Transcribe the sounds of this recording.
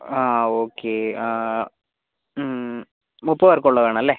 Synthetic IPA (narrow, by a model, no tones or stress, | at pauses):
aːoːkːe | mupːɐʋɐɾkuɭːɐʋeːɳɐ̃mɐlːeː